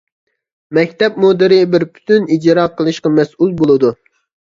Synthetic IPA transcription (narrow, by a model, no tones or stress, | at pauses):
mɛkʲt̪ɛpmod̪ɪɾɪbɪɾpʰy̥t̪ʰynid͡ʒɾɑqʰəlˠɨʃqɑmɛsulˠbolˠɨd̪u